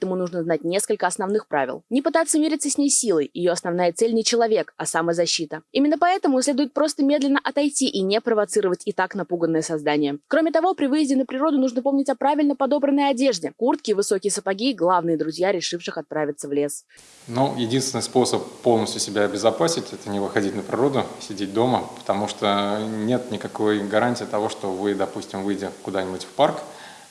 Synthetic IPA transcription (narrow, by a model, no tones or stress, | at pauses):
ɛt̪əmʊnuʐnəznat̚ʲnʲeskəlʲkəɐsnɐvnɨxpɾavʲɪ̰lˠnʲɪpɨt̪at̪sːəmʲeɾʲɪt̪səsʲnʲejsʲilˠəjjɪjoɐsnɐvnajət̪sɛlʲnʲɪt͡ɕɪlˠɐvʲe̞kɐsaməzɐɕːit̪əimʲɪnːəpɐɛt̪əmʊsʲlʲed̪ʊjɪt̪̚pɾo̞st̪əmʲe̞d̪lʲɪnːəʔɐt̪ɐjtʲiʔinʲepɾəvɐt̪sɨɾəvətʲɪt̪aknɐpuɡənːəjəsɐzd̪anʲɪjəkɾo̞mʲɪt̪ɐvo̞pɾʲɪvɨjɪzʲdʲɪnːəpɾʲɪɾo̞d̪ʊnuʐnəpo̞mnʲɪtʲɐpɾavʲɪlʲnəpɐd̪o̞bɾənːəjɐdʲeʐdʲɪkurt̪kʲɪːvɨsokʲɪjəsəpɐɡʲiɡlˠavnɨjəd̪ɾʊzʲjaɾʲɪʂɨfʂɨxɐt̪̚pɾavʲɪt̪səvlʲe̞s | nojɪdʲinst̪vʲɪnɨjspo̞səpːolˠnəsʲt̪ʲjʊsʲɪbʲaːbʲɪzɐpasʲɪtʲɛt̪ənʲɪvɨxɐdʲitʲnəpɾʲɪɾo̞d̪ʊsʲɪdʲet̚ʲd̪o̞məpə̥t̪ɐmuʂt̪onʲe̞t̪nʲɪkɐkojɡɐɾanʲtʲiːt̪ɐvo̞ʂt̪o̞vɨd̪ɐpusʲtʲɪmvɨjdʲɪkʊd̪anʲɪbʊtʲfpark